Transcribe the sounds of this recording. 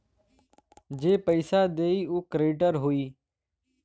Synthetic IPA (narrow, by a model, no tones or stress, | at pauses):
d͡ʒeːpəɪsaːd̪eːiːuːkɾeːʈəɾɦoiː